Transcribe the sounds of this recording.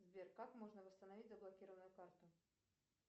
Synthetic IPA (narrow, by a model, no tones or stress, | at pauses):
zbʲerkakmo̞ʐnəvəst̪ənɐvʲitʲzəblˠɐkʲiɾəvənʊjʊkart̪ʊ